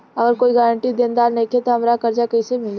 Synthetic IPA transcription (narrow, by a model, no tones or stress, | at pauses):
ɐɡəɾkoːiɡəːɾə̃ɳʈid̪ẽːnd̪aːɾneket̪oɦɐmɾakɐɾd͡ʒakɐsemɪl